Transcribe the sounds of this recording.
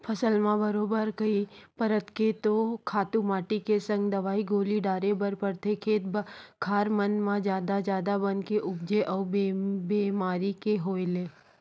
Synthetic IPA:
pʰɐsəlmãbəɾoːbəɾkəipəɾət̪ket̪okʰaːt̪ũmaːʈikesə̃ŋɡd̪ɐʋaːiɡoːliɖaːɾebəɾpəɾt̪ʰekʰeːt̪̚bkʰaːɾmənmãd͡ʒjaːd̪ad͡ʒjaːd̪abənkeʔʊbd͡ʒeʔɔːbebeːmaːɾikeɦoːeleː

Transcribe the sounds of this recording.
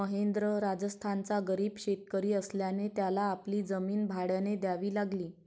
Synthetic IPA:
əɦend̪ɾəɾad͡zəst̪ʰant͡saɡəɾiːbɕet̪̚kəɾiːəsljanet̪jalaːpliːd͡zəmiːnbʱaɽjaned̪jaʋiːlaɡliː

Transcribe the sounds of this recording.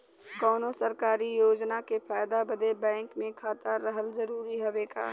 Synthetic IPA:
kɔːnosəɾkaːɾijoːd͡ʒnakepʰaːjd̪abəd̪ebɛ̃ːŋkmẽkʰaːt̪əɾɾəɦəlzəɾuːɾiɦoʋeːɡa̰ː

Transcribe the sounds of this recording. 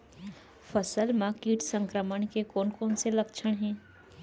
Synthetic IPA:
fəsəlmãkiːʈsə̃ŋkɾəməɳ̃kekoːnkoːnselɐkʃʰəɽ̃ɦɛ̃ː

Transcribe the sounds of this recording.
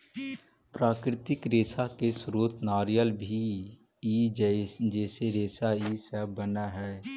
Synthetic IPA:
pɾaːkɾɪt̪ɪkɾeːsakesɾoːt̪naːɾijəlbʱi | id͡ʒd͡ʒɛːseɾeːsaisɛbənaɦɛː

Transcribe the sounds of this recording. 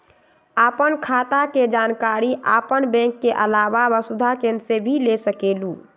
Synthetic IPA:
apənkʰaːt̪aked͡ʒaːnkaɾiʔa̰ːpənbɛ̃ŋkːeʔəlaːbabəsud̪ʱakẽnsebʱilesəkeːlu

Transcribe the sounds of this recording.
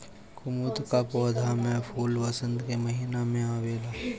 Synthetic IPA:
kʊmut̪kapɔːd̪ʱamɛ̃pʰuːlʋɐsə̃nd̪kemɐɦiːnamẽaːʋeːlaː

